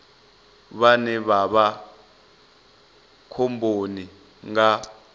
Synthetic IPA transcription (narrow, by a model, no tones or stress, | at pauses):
βanɛβaɓa | kʰɔmbʱoni | ŋɡa